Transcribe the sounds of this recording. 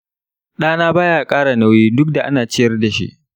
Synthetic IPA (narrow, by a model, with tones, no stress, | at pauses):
ɗaː˦naː˦baː˦jaː˨kʼaː˦ɽa˨na˦wjiː˦dʊ˦k̚da˨ʔa̰˦naː˨t͡ʃɪ˦jɐ˦rda˨ʃḭ˦ʔ